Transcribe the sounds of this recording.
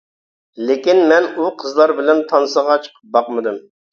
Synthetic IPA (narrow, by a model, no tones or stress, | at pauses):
lekʲinmɛnuqʰəzlˠɑɾbɪlɛnt̪ʰɑnsəʁɑt͡ʃʰə̥qʰəp̚bɑqmɨd̪ɨm